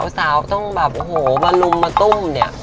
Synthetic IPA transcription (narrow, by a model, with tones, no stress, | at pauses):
wsaː˩˦wt̪ɔ˥˩ŋbɛː˨˩p̚ʔo˧˩hoː˨˩˦baː˧lu˧mːaː˧t̪o˥˩mni˥˩ɐ